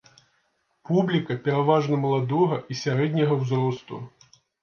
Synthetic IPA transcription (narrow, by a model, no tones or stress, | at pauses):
publʲikɐpʲɛɾavaʐnɐmɐlˠad̪ɔɣɐʔisʲaɾɛd̪ʲnʲɐɣɐwzrɔst̪ṵ